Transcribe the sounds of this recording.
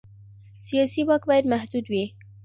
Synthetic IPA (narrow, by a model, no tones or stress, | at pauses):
sijɑsiwak̪̚bɑjad̪mahd̪ud̪wi